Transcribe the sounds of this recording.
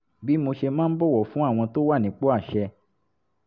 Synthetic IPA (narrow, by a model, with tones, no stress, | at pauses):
bi˨˦mo˧ʃe˧mãː˦n̩˦bɔ˦˨wɔ˨fũ˨˦a˦˨w̃ɔ̃˧to˦wa˦˨nĩ˨˦k͡po˦a˦˨ʃɛ˧